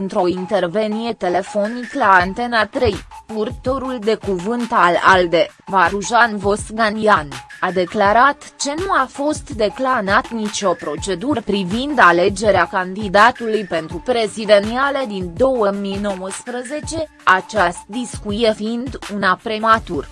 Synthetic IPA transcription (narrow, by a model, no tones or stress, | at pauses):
ɨnt̪ɾo̞int̪e̞rve̞nije̞t̪ele̞fo̞niklaant̪e̞nat̪ɾejpurt̪o̞ɾuld̪e̞kuvɨnt̪ala̰ld̪e̞ | vaɾuʒanvo̞sɡanianad̪e̞klaɾat̪ | t͡ʃe̞nuafo̞st̪d̪e̞klanat̪nit͡ʃo̞pɾo̞t͡ʃe̞d̪uɾpɾivind̪ale̞d͡ʒe̞ɾeakand̪id̪at̪ulujpe̞nt̪ɾupɾe̞zid̪e̞nialed̪ind̪o̞wəmino̞wəspɾəze̞t͡ʃe̞ | at͡ʃast̪̚d̪iskuijefiind̪unapɾemat̪ur